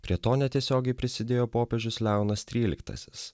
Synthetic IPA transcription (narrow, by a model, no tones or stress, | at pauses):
pʲɾʲiɛt̪oːnʲɛt̪ʲiɛsʲoːɡʲɛɪpʲɾʲɪsʲɪd̪ʲeːjoːpoːpʲɛʒʲʊslʲæˑʊnɐst̪ʲɾʲiːlʲɪ̰kt̪ɐ̰sʲɪ̥s